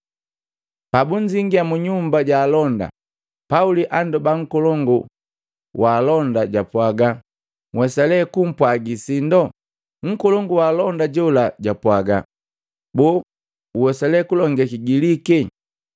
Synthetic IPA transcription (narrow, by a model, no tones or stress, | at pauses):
pabuɲd͡ʒiŋɡiamuɲumbaɟaːlɔnda̰ | pauliʔandɔbaŋ̩kɔlɔŋɡu | waːlɔndaɟapwaɡa | ŋwɛsalɛkum̩pwaɡisindɔ | ŋ̩kɔlɔŋɡuwaːlɔndaɟɔlaɟapwaɡa̰ | bɔ | uwɛsalɛkulɔŋɡɛkiɡiliki